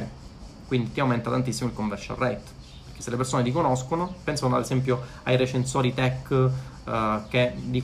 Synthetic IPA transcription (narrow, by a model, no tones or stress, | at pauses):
kwind̪it̪iawmɛnt̪at̪ant̪isːimoilkoɱvɛrt͡ʃa̰rɛt̪ | perke̥sːelepersoːned̪ikonoskonopɛnsanad̪ezɛmp̬jo | ajɾet͡ʃensoːɾit̪ɛkː | kːed̪i